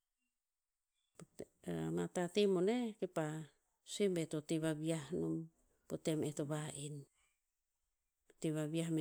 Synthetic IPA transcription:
p | amatatemonekepa | sembetotiβabiahnom | potemetoβaʔin | tiβaβiam

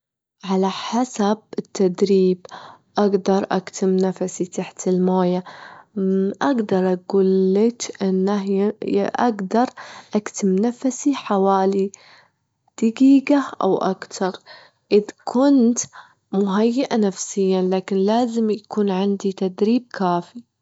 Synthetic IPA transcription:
ʕalaħasab̚ɪt̪ːad̪ɾiːb | ʔaɡd̪ɑɾˤʔa̰kt̪ʰɪmnafasit̪aħt̪ɪlmaːja | ʔaɡd̪ɑɾˤʔaɡuːlːɪt̪ʔɪnːa | ʔaɡd̪ɑɾˤʔakt̪ɪmnafasiħawaːli | d̪̥aɡiːɡaʔa̰wʔa̰kt̪ʰɑɾˤ | ʔɪðkʰʊnt̪ | mʊɦajːaʔanafsɪjːanlaːkɪnlaːzɪmjakuːnʕɪnd̪it̪ad̪ɾiːb̚kʰaːfi

